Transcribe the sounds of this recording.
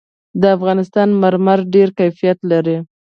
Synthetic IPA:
d̪əafɣɑnɪst̪ɑnmaɾmaɾɖeɾkajfijat̪laɾi

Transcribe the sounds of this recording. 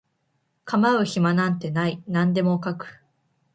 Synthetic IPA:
kamaɯ̟çimanãnt̪e̞nainãnd̪e̞mo̞kakɯ̟̥

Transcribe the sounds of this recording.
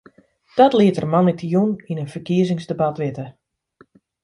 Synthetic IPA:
d̥ɔtlɪətərmanitʰijuninənfərkiəzɪŋzdəbatʋɪtə

